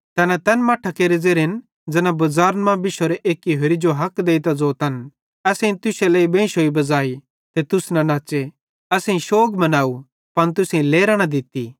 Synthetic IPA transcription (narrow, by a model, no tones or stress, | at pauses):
t̪ɛːnat̪ɛːnmaːʈʰakeːɾed͡zeːɾɦɪn | d͡zɛnãbɐzaːɾnmãbɪʃoɾeʔeːkiɦeɾid͡ʒoɦɐkd̪eːit̪ad͡zoːt̪ɐn | ɛːsẽĩt̪ʊselɐibẽːʃɦoːibɐd͡zaːi | t̪et̪ʊsnɐnaːt͡ʃe | ɐsẽĩʃoːɡmɐnaːu | pɐñt̪̬ʊsẽĩleːɾaːɽ̃ad̪ɪt̪i